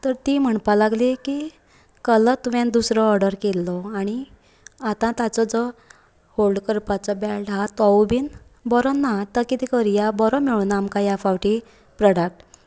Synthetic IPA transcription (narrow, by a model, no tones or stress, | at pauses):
t̪əɾt̪im̤əɳpalaɡliki | kələt̪ʋɛ̃nd̪usɾɔːɾɖəɾkelːɔaɽ̃i | at̪ãt̪at͡sɔd͡zɔ | holɖkəɾpat͡sɔbɛlɖɦat̪ɔubiːn | bɔɾɔnːat̪əkit̪ikəɾjabɔɾɔmeɭunamkajafaʋʈi | pɾɔɽak̚ʈ